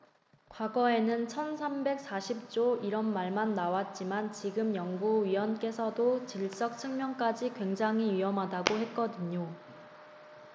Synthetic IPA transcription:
kwaɡʌe̞nɯnt͡ɕʰʌnsʰambe̞k̚s͈aɕʰip̚t͡ɕ͈oiɾʌnmaɭmanːawat̚t͡ɕ͈imant͡ɕiɡɯmjʌŋɡuɥiwʌnk͈e̞sʰʌdot͡ɕiɭs͈ʌk̚t͡ɕʰɯŋmjʌŋk͈ad͡ʑikwe̞ŋd͡ʑaŋɦiɥiʌmɦadaɡohe̞t̚k͈ʌdɯɲo

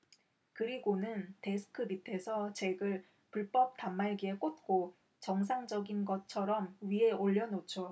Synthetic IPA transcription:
kɯɾiɡonɯnte̞sʰɯ̥kʰɯbitʰe̞sʰʌt͡ɕe̞ɡɯɭ | puɭp͈ʌp̚tamːaɭɡiek͈ot̚k͈o | t͡ɕʌŋs̬ʰaŋd͡ʑʌɡinɡʌt͡ɕʰʌɾʌmɥie̞oʎːʌnot͡ɕʰo

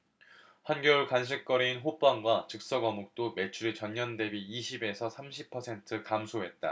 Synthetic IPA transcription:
hwanɡjʌuɭkanɕʰik͈ʌɾiinɦop͈aŋɡwat͡ɕɯk̚s͈ʌɡʌmok̚t͈ome̞t͡ɕʰuɾit͡ɕʌɲɲʌnde̞biːɕʰibe̞sʰʌsʰamɕʰipʰʌsʰe̞ntʰɯkamsʰoɦe̞t̚t͈a̰

